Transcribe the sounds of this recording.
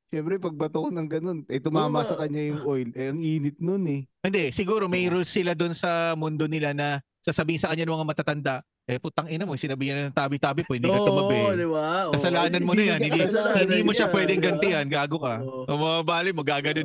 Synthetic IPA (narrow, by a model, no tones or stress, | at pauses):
ʃɛmpɾɛpɐɡ̚bɐt̪onɐŋɡɐno̞nɐt̪ʊmaːmɐsɐkɐɲːajʊŋʔojlɛɐŋiːnɪt̪̚nonɛʔɛnd̪ɛsɪɡuːɾo̞mɐjɾusɪlad̪onsɐmʊnd̪onɪlanɐ | sasɐbiːhɪsɐkɐɲanɐŋmːɐŋamɐt̪at̪ɐnd̪aʔ | ʔɛpʊt̪ɐŋʔɪnɐmojsɪnɐbiːhɐnɐnɐŋt̪aːbɪjt̪aːbɪpohɪnd̪ikɐt̪ʊmɐbɛɐlɪwaʔkɐsɐlaːnɐnmonɐjanhɪnd̪ihɪnd̪iːmoʃapwɛːd̪ɛŋɡɐnt̪ɪɐnɡaːɡokɐ | ʔɐmaabaːlɪmoɡaːɡɐno